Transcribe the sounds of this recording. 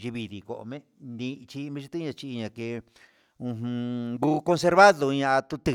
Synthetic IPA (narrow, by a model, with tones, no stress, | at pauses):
ʒi˧βi˧ði˧˨ko̰˧˨˧mẽ˦ | nd̪ĩ˧t͡ʃi˧mĩ˧ʃi˧t̪i˦ɲã˧t͡ʃi˧i˧ɲã˧ke˧ | ũ˧ɦũ˧ɡu˦ko˧ns̬e˧ɾβa˦ðo˧ɲã˧t̪u˧t̪ɨ˧